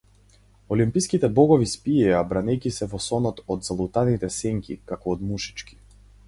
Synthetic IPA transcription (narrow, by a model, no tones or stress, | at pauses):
ɔlimpiskit̪ɛbɔɡɔvispiɛabɾanɛjkisɛvɔsɔnɔt̪ɔd̪zalˠut̪anit̪ɛsɛŋkʲḭkakɔːd̪muʃi̥t͡ʃki̥